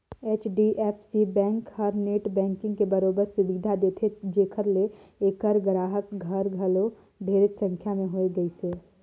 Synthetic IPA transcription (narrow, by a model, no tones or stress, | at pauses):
eːt͡ʃɖiʔeːpʰsibɛ̃ːŋkhəɾneːʈbɛ̃ːŋkɪ̃ŋɡkebəɾoːbəɾsʊbiːd̪ʱad̪eːt̪ʰed͡ʒeːkʰəɾle | eːkəɾɡɾaːɦəkɡʱəɾɡʱəlo | bʱeːɾət̪sə̃ŋkʰjamẽɦoeɡəiseː